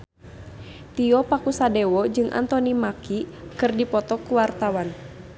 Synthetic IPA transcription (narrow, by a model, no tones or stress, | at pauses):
t̪iɔpakusadɛwɔd͡ʒɨŋʔa̰nt̪ɔnimakikɨrdipɔt̪ɔkuwart̪awan